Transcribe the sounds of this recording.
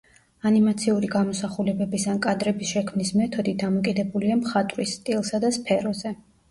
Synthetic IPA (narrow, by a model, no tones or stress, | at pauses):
animat̪sʰiuɾiɡamɔsaχulɛbɛbisankʼad̪ɾɛbisʃɛkʰmnismɛt̪ʰɔd̪id̪amɔkʼid̪ɛbuliamχat̪ʼɾisːt̪ʼilˠsad̪aspʰɛɾɔzɛ